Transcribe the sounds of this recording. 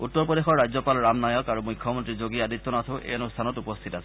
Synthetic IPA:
utːɔɹpɹɔdexɔɹːajzɔpalɹamnajɔkaɹumʊjkʰːɔmɔntɹizoɡiadit̪ːɔnatʰõʊʔḛɔnostʰanɔtupɔst̪ʰitasɛ̥

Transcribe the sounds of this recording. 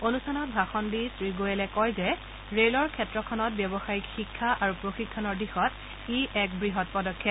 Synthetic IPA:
onustʰanɔt̚bʱaxɔndisɹiɡojɛlɛkɔjzɛ | ɹelɔɹkʰɛtɹɔkʰɔnɔt̚bjɔbɔxajikxikʰːaʔaɹupɹoxikʰːɔnɔɹdixɔt | iʔɛk̚bɹiɦɔt̚pɔdɔkʰːɛt̚

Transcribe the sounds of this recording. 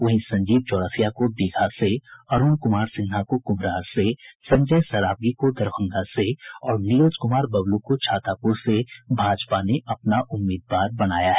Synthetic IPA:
ʋɐɦĩsɐ̃ɲd͡ʒiːb̚t͡ʃɔːɽəfʰijakod̪eːkʰaseɐɾuːnkʊmaːɾsɪ̃nɦakokʊmɾaːɾsesɐ̃ɲd͡ʒəjsɐɾaːp̚ɡikod̪ɐɾbʰə̃ŋɡaseɔːɾnijoːd͡ʒkʊmaːɾbɐblukot͡ʃʰaːt̪aːpuɾsebʱaːd͡ʒpaneʔɐpnaʔʊmːiːd̪ʋaːɾbɐɽaːjaɦɛ

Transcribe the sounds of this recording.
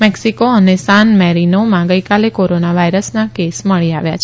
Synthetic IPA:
mɛksikoənesãnmɛɾinomãɡəjkalekoɾonaʋaiɾəsnakesməɭiaʋja̰t͡ʃʰ

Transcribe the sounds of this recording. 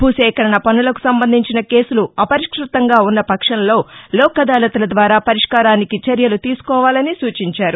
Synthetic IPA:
bʱuːsɛːkɐɾɐɳɐpɐnulɐku̥sɐmbɐnd̪ʱiɲt͡ʃinɐke̞ːsuluɐpɐɾiʂkɾut̪ːɐŋɡaːunːɐpɐkʂɐnɐlo̞ːlɔːkɐd̪aːlɐt̪ulɐd̪ʋaːɾaːpɐɾiʂkaːɾaːnikit͡ʃɐɾjɐlut̪iːsu̥kɔːʋaːlɐnisuːt͡ʃiɲt͡ʃaːɾu

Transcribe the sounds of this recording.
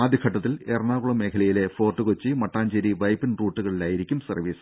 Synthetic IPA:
aːd̪ʱjɐkʰɐʈːɐt̪ːilernaːkuɭɐme̞ːkʰɐlɐjile̞fo̞ːrʈːɨkot͡ɕːimɐʈːaːɲd͡ʑeɾiʋɐjpːinruːʈːuɣɐɭilaːjiɾikʲːumsɐrʋiːsɨ̥

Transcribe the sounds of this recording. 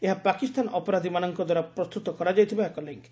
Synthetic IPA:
eɦapakist̪anʔɔpɔɾad̪ʱimanɔŋkɔd̪waɾapɾɔst̪ut̪ɔkɔɾad͡ʒajt̪ʰibaekɔleŋk

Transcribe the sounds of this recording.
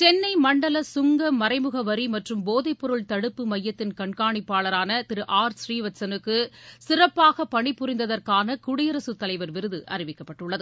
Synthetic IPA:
t͡ʃɛnːɐɪmɐɳɖɐlɐsʊŋɡɐmːɐɾɐɪmɯɣɐʋɐɾimɐʈrɯmboːðɐɪpːɔɾɯɭt̪ɐɽɯpːɯmɐjːɐt̪ːɪnkɐɳkaːɳɪpːaːɭɐɾaːnɐt̪ɪɾɯʔaːɾsriːʋɐsɐnɯkːɯsɪrɐpːaːɣɐpːɐɳɪpːʊrɪnd̪ɐðɐrkaːnɐkʊɽɪjɐɾɐsɯt̪ːɐlɐɪʋɐɾʋɪɾɯðɯʔɐ̰rɪʋɪkːɐpːɐʈːɯɭːɐðɯ

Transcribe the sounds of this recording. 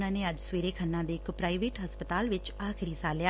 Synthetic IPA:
nãːneːəd͡ʒsʋeːɾeːkʰənːãːd̪eːɪkpɾaːiʋeːʈɦəspət̪aːlʋɪt͡ʃaːkʰɪɾiːsaːljaː

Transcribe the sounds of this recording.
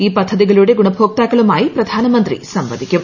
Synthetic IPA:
iːpɐd̪ʱːɐd̪iɡɐɭuːɽeɡuɳɐbʱoːk̚t̪aːkɐɭumaːjipɾɐd̪ʱaːnɐmɐnt̪ɾḭsɐmʋɐd̪ʱikʲju

